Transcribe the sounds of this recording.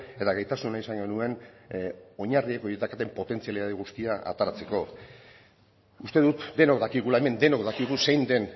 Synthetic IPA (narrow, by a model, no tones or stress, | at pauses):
e̞t̪aɣajt̪asunaisaŋɡo̞nue̞n | o̞ɲarieko̞jet̪akat̪e̞mpo̞t̪e̞nt͡sialit̪aðiɣ̞ust̪iaʔa̰t̪aɾat͡se̞ko̞ | ust̪e̞ðut̪d̪e̞no̞kd̪akiɣulaeme̞nd̪e̞no̞kd̪akiɣ̞use̞jnd̪e̞n